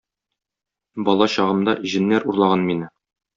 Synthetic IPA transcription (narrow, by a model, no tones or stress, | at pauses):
bɒlˠɑɕɒʁɤ̆md̪ɑʑɘ̆nːæɾuɾlˠɑʁɑnminɘ